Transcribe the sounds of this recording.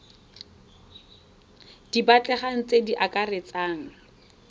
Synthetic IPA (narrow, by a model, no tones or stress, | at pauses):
d̥ibat͡ɬʼɛχaŋ̩t͡sʼediʔakʼaret͡sʼaːŋ̩